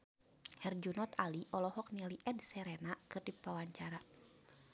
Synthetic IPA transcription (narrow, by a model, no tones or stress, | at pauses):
hɛrd͡ʒunɔt̪aliʔɔlɔhɔk̚niliʔɛdsɛɾɛnakɨrdipawaɲt͡ʃaɾa